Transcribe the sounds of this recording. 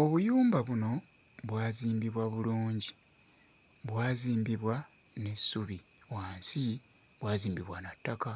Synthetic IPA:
o̞βujuːmbaβuno̞ | βwaːziːmbiβwaβuluːɲɟi | βwaːziːmbiβwa | ne̞sːuβi | waːnsi | βwaːziːmbiβwanatːaka

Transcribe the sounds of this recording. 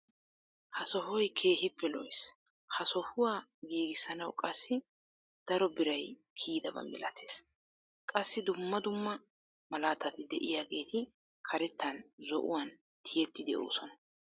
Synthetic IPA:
hɐsɔhɔjkʰe̞ːhɪpːɛlɔjs | hɐsɔhʊwaː | ɡiːɡɪsːɐnɐwkʼɐsːɪ | d̪̥ɐɾɔbɪɾɐj | kʰiːd̪ɐbɐ̰mːɛ̰lɐ̰t̪ʰe̞ːs | kʼɐsːɪd̪ʊmːɐd̪ʊmːɐ | mɐlaːt̪ːɐt̪ɪd̪ɛʔɪjaːɡe̞ːt̪ʰɪ | kʰɐɾɛt̪ːɐnzɔ̰ʔʊ̰wɐn | t̪ʰɪjɛt̪ːɪd̪ɛʔo̰ːsɔnɐ̥

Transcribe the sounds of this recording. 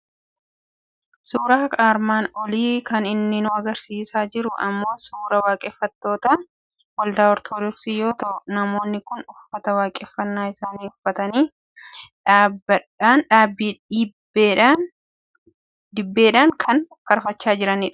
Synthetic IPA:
suːɾaːkʼaːɾmaːnɔliːkɐnɪnːɪnʊɐɡɐɾsiːsaːd͡ʒɪɾʊʔɐ̰mːo̞ːsuːɾɐwaːkʼɛːfːɐt̪ːo̞ːt̪ɐ | wɐld̪aːɔɾt̪ʰɔd̪ɔksijo̞ːt̪ɐʔʊnɐmo̞ːnːɪkʊnʊfːɐt̪ɐwaːkʼɛfːɐnːaːɪsaːniːʊfːɐt̪ɐniː | ᶑaːbɐᶑanᶑaːbib | ᶑ | d̪ɪbːeːᶑaːŋkʰɐnkɐɾfɐt͡ʃːaːd͡ʒɪɾɐnɪᶑɐ̥

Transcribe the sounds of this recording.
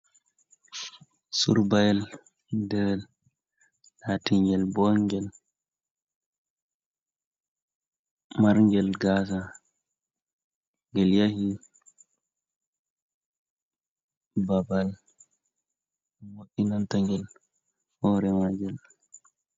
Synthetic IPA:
suɾbajɛl | dɛɾɛl | latiŋɡɛlbɔŋɡɛl | maɾŋɡɛlɡasa | ŋɡɛljahi | babal | moɗinantaŋɡɛl | hɔːɾɛmaɡɛl

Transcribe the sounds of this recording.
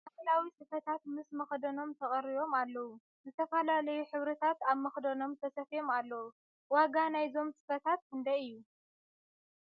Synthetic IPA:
ʔakɐlawisɨfɐt̪ʰat̪mɨsmɐxd̪ɐno̞mt̪ʰɐχʼɐɾiβo̞malːɐwu | zɨt̪ʰɐfɐlalɐjuħɨβɾɐt̪ʰat̪aβmɐxd̪ɐno̞mt̪ʰɐsɐfjo̞malːɐwu | waɡanajzo̞msɨ̥fɐt̪ʰat̪̚kɨnd̪ɐɨjːu

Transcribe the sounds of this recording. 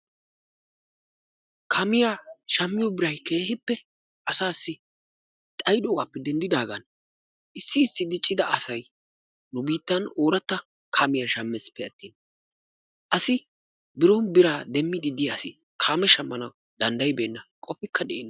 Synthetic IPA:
kʰaːmɪjaːʃɐmːɪjɔbɪɾɐjke̞ːhɪpːɛ | ʔɐsaːsːɪ | t̪ʼɐjd̪oːɡaːpːɛd̪ɛnd̪ɪd̪aːɡɐn | ʔɪsːɪːsːɪd̪ɪt͡ʃʼːɪd̪ɐɐsɐj | nʊbiːt̪ːɐno̞ːɾɐt̪ːɐ | kʰaːmɪjɐʃɐmːɛspːɛɐt̪ːiːn | ʔɐsɪ | bɪɾɔnbɪɾaːd̪ɛmːɪd̪ɪd̪ɪjasɪ | kʰaːmɛʃɐmːɐnɐw | d̪̥ɐnd̪ɐjbe̞ːnːɐkʼɔfɪkːɐd̪ɛʔenː

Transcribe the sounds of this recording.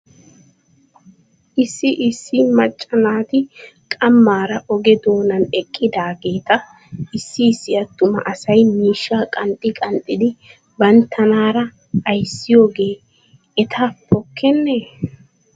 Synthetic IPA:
ʔɪsːɪʔɪsːɪmɐt͡ʃʼːɐnaːt̪ɪkʼɐmːaːɾɐʔɔɡɛd̪o̞ːnɐnɛkʼːɪd̪aːɡe̞ːt̪ɐ | ɪsːɪːsːɪɐt̪ːʊmɐ̰ʔɐsɐjmiːʃːaːkʼɐnt̪ʼːɪkʼɐnt̪ʼːɪd̪ɪ | bɐnt̪ʰːɐnaːɾɐ | ɐjsːɪjo̞ːɡe̞ː | ɛt̪ʰaːpʰɔkʰːɛnːeː

